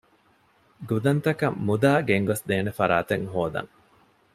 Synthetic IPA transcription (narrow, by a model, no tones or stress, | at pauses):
ɡud̪ɐnt̪ɐkɐmːud̪aːɡeŋɡosd̪eːnefɐɾa̰ːt̪eŋɦoːd̪ɐ̰ŋ